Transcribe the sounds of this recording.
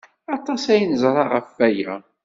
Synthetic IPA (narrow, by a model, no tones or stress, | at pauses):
ɑt̪ˤɑsæjənzˤɾˤɑʁəfːæjæ̰